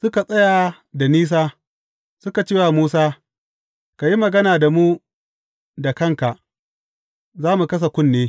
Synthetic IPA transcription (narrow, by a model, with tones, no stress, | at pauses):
sʊ˦ka˨sʼɐ˦ja˨ | da˨niː˦s̬aː˦ | sʊ˦ka˨t͡ʃeː˦wa˨muː˦saː˦ | ka˨ji˦mɐ˨ɡɐ˦naː˨da˨mu˦ | da˨kɐ˦ŋka˨ʔ | zaː˦mu˨kɐ˦s̬a˨kʷʊ˦nːeː˦